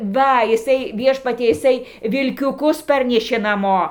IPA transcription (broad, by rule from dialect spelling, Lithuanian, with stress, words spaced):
ˈʋɐ jɪˈsɐɪ ˈʋʲiɛʃpɐtʲiɛ jɪˈsɐɪ ʋʲɪlʲkʲʊˈkʊs ˈpɐrʲnʲɛʃʲeː nɐˈmoː